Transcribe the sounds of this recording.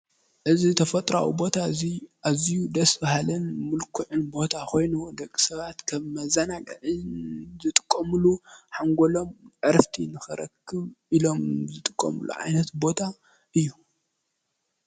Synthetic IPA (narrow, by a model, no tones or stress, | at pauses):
ʔɨzit̪ʰɐfɐt̪ʼɾawḭbo̞t̪ʰaɨziʔazijud̪ɐsbahalɐnmɨlkʰuʕɨnbo̞t̪ʰakʰo̞jnud̪ɐkʼːi̥sɐβat̪kʰɐβmɐzɐnaɡʼɐʕɨnzɨt̪ʼɨ̥kʼːɐmɨluħaŋɡolo̞mʔɨɾft̪ʰinɨxɨɾɐ̰kʰːɨβilo̞mzɨt̪ʼɨkʼːɐ̰mɨ̰lṵʕa̰jnɐt̪bo̞t̪ʰa | ʔɨjːu